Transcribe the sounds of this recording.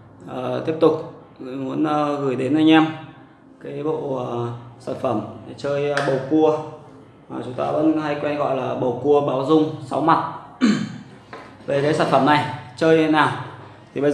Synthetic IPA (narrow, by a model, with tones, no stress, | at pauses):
ʔəː˨˩t̪i˦˥əp̚t̪ʊ˨˩k͡p̚ | mu˨˦ənʔɣɨ˧˩jɗe˨˦nʔaː˧˩jŋ̟a˧m | kaː˨˦jɓo̰˧˨ə˨˩saː˧˩nfə˧˩mt͡ɕəː˧jɓə˨˩wku˧ə | ma˨˩t͡ɕʊ˨˦ŋ͡mt̪a̰ː˧və̰˧˥nha˧jkwɛ˧nɣɔ̰˧˨jlaː˨˩ɓə˨˩wku˧əɓaː˨˦wzʊ˧ŋ͡msa˨˦wma˨˩t̚ | ve˨˩kaː˨˦jsaː˧˩nfə˧˩mna˨˩jt͡ɕəː˧jnaː˨˩w | t̪ʰi˨˩ɓə˧jz